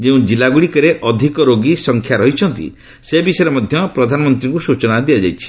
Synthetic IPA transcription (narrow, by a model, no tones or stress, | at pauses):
d͡ʒeũd͡ʒilaɡuɽikɔɾeʔɔd̪ʱikɔɾoɡisɔŋkʰjaɾɔɦit͡ʃʰɔnt̪ḭ | sebisɔjɾɔmɔd̪ʱjɔpɾɔd̪ʱanɔmɔnt̪ɾĩŋkusut͡ʃɔnad̪iad͡ʒajt͡ʃʰi̥